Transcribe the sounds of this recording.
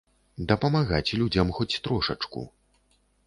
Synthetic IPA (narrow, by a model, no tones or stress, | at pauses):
d̪ɐpɐmaɣat͡sʲlʲud͡zʲɐmxɔt͡sʲt̪ɾɔʂɐ̰t͡ʂkṵ